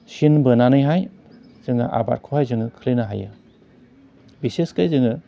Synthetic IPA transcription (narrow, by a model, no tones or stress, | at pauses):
sinbɯnanɯjɦaj | z̥ɯŋɯ̰ʔa̰ba̰t̚kʰohajzɯŋɯkʰɯlinaɦa̰jɯ̰ | biseskajzɯŋɯ